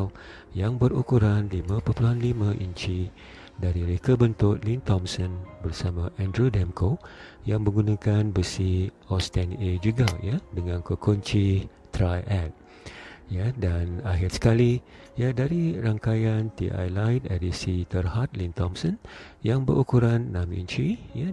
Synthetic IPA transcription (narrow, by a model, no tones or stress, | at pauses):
l | jaŋbəɾukuɾanlimãpəpuluɦanlimãʔḭɲt͡ʃi | daɾiɾekabənt̪ʊt̚lint̪ɔmsənbərsamãʔɛ̃ndɾudɛmkʰojaŋmə̃ŋɡunãkanbəsi | ɔst̪ɛned͡ʒuɡajadəŋãnkəkoɲt͡ʃi | t̪ɾajʔɛt̪̚ | jadanaɦɪrsə̥kali | jadaɾiɾaŋkajant̪iʔa̰jlajt̪edisit̪ərhat̪̚lint̪ɔmsən | jaŋbə̰ɾʔukuɾanːãmḭɲt͡ʃija